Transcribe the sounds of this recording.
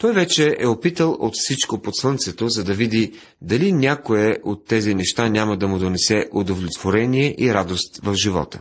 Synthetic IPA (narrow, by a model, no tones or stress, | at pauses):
t̪ɔjvɛt͡ʃɛʔɛopit̪əlˠot̪fsit͡ʃkopot̪slˠɤnt̪sɛt̪ozɐd̪ɐvid̪i | d̪ɐlinʲakoɛʔot̪ːɛzinɛʃt̪anʲamɐd̪ɐmʊd̪onɛsɛʔod̪ovlʲɛt̪voɾɛniɛʔiɾad̪ost̪vɐfʒivɔ̰t̪ə̥̰